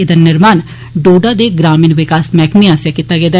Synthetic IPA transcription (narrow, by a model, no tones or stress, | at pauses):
ed̪aːnɪɾmaːn | ɖoːɖaːd̪eːɡɾaːmɪːnʋɪkaːsmɛːkmiaːsjaːkit̪ːaːɡeːd̪aː